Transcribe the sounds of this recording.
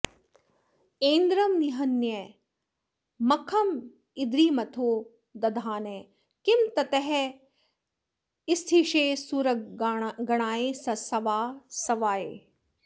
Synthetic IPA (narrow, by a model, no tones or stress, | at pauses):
ẽːnd̪ɾɐmniɦɐnjɐ | mɐkʰɐm | ɪd̪ɾiːmɐt̪ʰoː | d̪ɐd̪ʱaːne | kɪmt̪ɐt̪ɛɦɛ | ɪst̪ʰiʃeːsuɾɐɡɐɽ̃aːeːsɐsɐʋaːsɐʋaːḛː